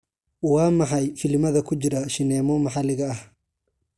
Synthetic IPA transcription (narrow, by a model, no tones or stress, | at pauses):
wɑːmɑħɑjfɪlmɐðɐkʰʊt͡ʃɪɾɐʃɪnɛːmɔmɑħɑlɪɣɐːh